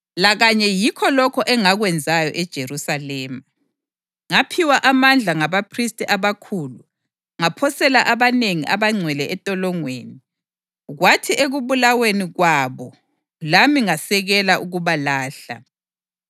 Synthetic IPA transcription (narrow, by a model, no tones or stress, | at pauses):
laɣaɲɛjikʰɔlɔkʰɔʔɛŋaɣwɛnd͡zʱajɔʔɛd̥ʒ̥ʱerusalɛːma | ŋapʰiwaʔamand͡ɮʱaŋaβapʰristʼiʔaβakʰuːlu | ŋapʰɔsɛlaʔaβaneŋiʔaβaŋ͡ǀʱwɛlɛʔɛtʼɔlɔŋwḛːni | ɣwatʰiʔeɣuβulaweniɣwaβɔ | lamiŋasɛɣɛlaʔuɣuβalaːɬa̰